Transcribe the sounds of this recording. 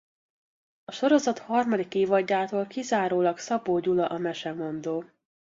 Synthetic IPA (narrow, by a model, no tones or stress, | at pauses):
ɒʃo̞ɾo̞zɒt̪hɒrmɒd̪ikeːvɒɟːaːt̪oːlkizaːɾoːlɒksɒboːɟulɒʔɒmɛʃɛmo̞nd̪oː